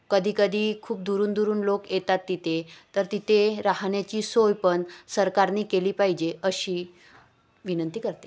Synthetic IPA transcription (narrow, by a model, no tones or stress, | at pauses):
kəd̪ʱiːkəd̪ʱiːkʰuːp̚d̪uɾuːnd̪uɾuːnlokjet̪at̪ːit̪ʰet̪əɾt̪it̪ʰeɾaɦɳjat͡ɕiːsojpəɳsəɾkaɾniːkeliːpaɦid͡ʑeəɕiː | ʋinənt̪iːkəɾt̪e